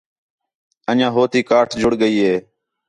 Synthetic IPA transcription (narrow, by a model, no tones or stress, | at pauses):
əʄãːɦoːt̪iːkaːʈʰd͡ʒʱʊɽɠəiːɦeː